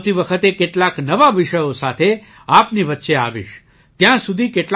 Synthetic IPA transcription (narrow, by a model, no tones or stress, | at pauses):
t̪iʋəkʰət̪ekeʈlaknəʋaʋiʃəjosat̪ʰe | apniʋət̪ːʃea̰ʋḭʃ | t̪jãsud̪ʱikeʈl